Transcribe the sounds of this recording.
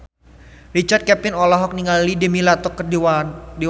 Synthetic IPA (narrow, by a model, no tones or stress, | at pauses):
rit͡ʃart̪̚kɛpɪnɔlɔɦɔk̚niŋallidemilat̪ɔkːə | de